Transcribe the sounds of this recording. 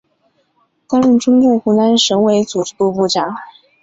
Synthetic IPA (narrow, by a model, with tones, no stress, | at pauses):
k̪a˥nɻy˥˩nʈ͡ʂʊ˥ŋku˥˩xu˧˥na˥nʂɤ˧˥ŋwe˧˥ɪt͡su˨˩ʈ͡ʂɻ̩˥˩t̪u˥˧pu˥˩ʈ͡ʂɑ˨˩˦ŋ